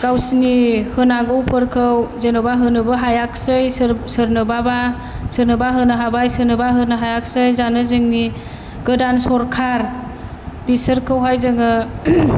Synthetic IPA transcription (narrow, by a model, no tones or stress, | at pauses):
ɡ̥awsnihɯnaɡɯwpʰɯɾkʰɯwzenɔbaɦɯnɯbɯɦajak̚sɯjssɯɾnɯbaba | sɯɾnɯbaɦɯnɯɦabajsɯɾnɯbaɦɯnɯɦajak̚sɯjzanɯzɯŋni | ɡɯdansɔɾkʰaɾ | bisɯɾkʰɯwɦajzɯŋɯ